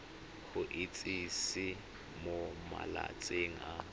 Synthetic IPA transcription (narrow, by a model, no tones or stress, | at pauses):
χʊʔɪt͡sʼisɪ | moma̰la̰t͡sʼeŋ̩a